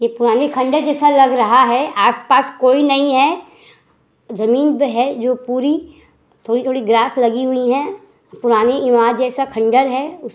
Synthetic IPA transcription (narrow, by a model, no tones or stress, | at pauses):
jepʊɾaːnekʰɐ̃ɳɖəɾd͡ʒɛːsalɐɡɾɐɦaɦɛʔaːspaːskoːinɐɦĩɦɛ | zɐmiːnbɦɛd͡ʒoːpuːɾi | t̪ʰoːɽit̪ʰoːɽiɡɾaːslɐɡiɦʊiɦɛ̃ | pʊɾaːneɪʋaːd͡ʒɛːsakʰɐ̃ɳɖəɾɦɛʊs